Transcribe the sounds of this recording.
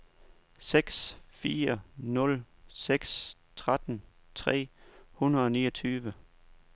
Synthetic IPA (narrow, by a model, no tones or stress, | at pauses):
seɡ̥sfiːɐnɔ̽l | seɡ̥st͡sʰʁad̥n̩ | t͡sʰʁɛ̰ːhunɐð̩ˠɒ̽nḭːɐt͡sʰyːʋə